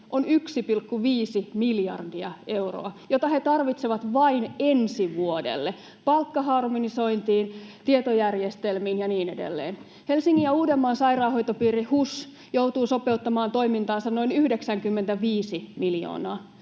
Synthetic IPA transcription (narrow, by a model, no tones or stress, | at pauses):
ʔonyksipilkːuʋiːsimiljɑ̰rdiɑʔeuro̰ɑjot̪ɑhet̪ɑrʋit̪seʋɑt̪ʋɑinensiʋuodḛlːe | pɑlkːɑhɑrmoniso̞int̪iːnt̪iet̪ojærjest̪elmiːnjɑniːnedḛlːḛːn | helsiŋːijɑuːdemːɑːnsɑirɑːhojt̪opiːrihus | jouwt̪uːsopeut̪ːɑmɑːnt̪o̞imint̪ɑːnsɑnnoinyhdeksæŋkymːent̪æʋiːsimiljo̰ːnɑː